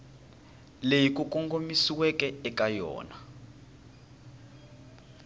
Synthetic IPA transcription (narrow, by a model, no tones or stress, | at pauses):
lejik̬ʼukʼɔŋɡomisiwɛkɛɛkʼajɔ̰ːna